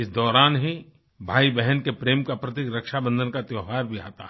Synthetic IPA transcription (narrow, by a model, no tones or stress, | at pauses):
ɪsd̪ɔːɾaːnɦi | bʱaːibɛɦənkepɾeːmkapɾɐt̪̬ikɾɐkʃabə̃nd̪ʱənkat̪jɔːɦaːɾbʱia̰ːt̪a̰ɛ